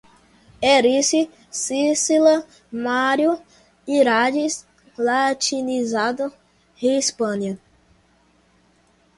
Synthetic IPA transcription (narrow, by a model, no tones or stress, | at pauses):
eɾisi | sisilɐ | maɾju | iɾad͡ʒis | lat͡ʃinizad̪ʊ | hespɐ̃niɐ